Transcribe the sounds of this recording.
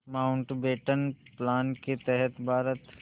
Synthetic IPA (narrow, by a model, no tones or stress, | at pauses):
maːʊɳʈbeːʈənplaːnket̪ɛɦɛt̪bʱaːɾət̪